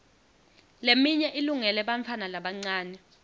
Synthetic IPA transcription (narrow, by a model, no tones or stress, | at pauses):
lemiɲɛʔiluŋɛlɛɓaɱfʰanalaɓaŋ͡ǀaːnɛ